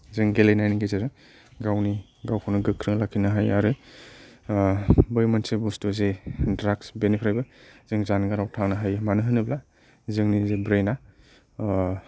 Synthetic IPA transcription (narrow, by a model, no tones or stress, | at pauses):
zɯŋɡelejnajniɡezeɾɯ | ɡawni | ɡawkʰawnɯɡɯkʰːɾɯŋlakʰːinaɦajaɾɯ | bɯjmɯnsebustuzedɾaksbenipʰɾajbɯzɯŋzanɡaɾawtʰaŋnɯɦajmanɯɦɯnɯbla | zɯŋnizebɾejna